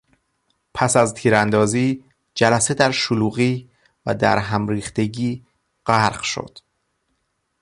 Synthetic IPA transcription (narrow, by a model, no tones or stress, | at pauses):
pʰæsæzt̪ʰiːɾænd̪ɒːziː | d͡ʒælæse̞d̪æɾʃoluːɣiː | væ̰d̪æ̰ɾɦæmɾiːxt̪e̞ɟiː | ɢæɾɢʃo̞̰d̪̥